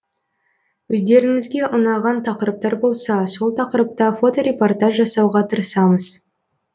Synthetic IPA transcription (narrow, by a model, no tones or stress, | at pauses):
wɵzd̪e̞ɾɪŋɪzɡʲe̞ʔʊnɑʁɑnt̪ʰɑqəɾəp̚t̪ɑɾbo̞lˠsɑso̞lˠt̪ʰɑqəɾəp̚t̪ɑfo̞t̪o̞ɾʲe̞po̞rt̪aʒːɑsɑwʁɑt̪ʰəɾəsɑməz̥